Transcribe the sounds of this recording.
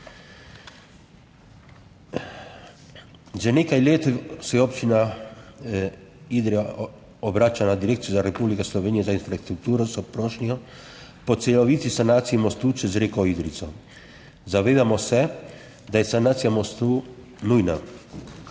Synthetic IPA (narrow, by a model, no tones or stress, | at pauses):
ʒɛneːkajleːt̪sɛjɛopt͡ʃina | id̪ɾɛ | ɔbɾaːt͡ʃanad̪iɾeːk̚t̪sijuzaɾɛpublikaslɔʋeːnijɛzainfɾast̪ɾuk̚t̪uːɾɔsɔpɾoʃniɔ | pɔt̪sɛlɔʋiːt̪isanaːt̪sijimɔst̪ut͡ʃɛzɾeːkɔid̪ɾit̪sɔ | zaʋeːd̪amɔsɛ | d̪ajɛsanaːt̪sijamɔst̪u | nujna